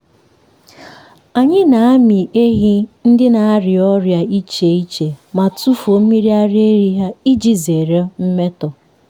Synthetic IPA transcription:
a˨ɲɪ˦na˨a˦mi˨e˦ɦi˦n̩˦dɪ˦na˨a˦ɾɪ˨ɔ˦ɾja˨i˦t͡ʃe˨i˦t͡ʃe˨ma˨tu˦fo˨m̩˦mi˦ɾi˦a˦ɾe˦ɾi˦ɦa˦i˦d͡ʒi˦ze˨ɾe˦m̩˦me˦tɔ˨

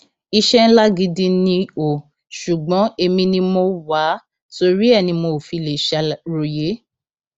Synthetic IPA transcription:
i˧ʃɛ˦n̩˦la˦ɡi˧dĩ˧nĩ˧o˨ | ʃu˨ɡ͡bɔ̃˨˦e˧mĩ˧nĩ˧mo˧wa˨˦ | to˧ɾi˦ɛ˦˨nĩ˧mo˧˨fi˧le˨ʃa˧ɾo˨je˨˦

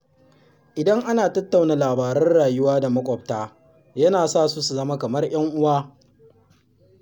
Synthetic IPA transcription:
ʔɪ˨dɐ˦ŋʔa˦naː˨tɐ˦tːa˨wnaː˨laː˨baː˨ɾɐ˦nɽaː˨jʊ˦waː˦da˨mɐ˦kʷʼɔ˨b̚taː˦ | jɐ˦naː˨saː˦˨su˦su˨zɐ˦ma˦kɐ˨mɐ˦rj̰ɐ˦ŋʔʊ˦waː˦

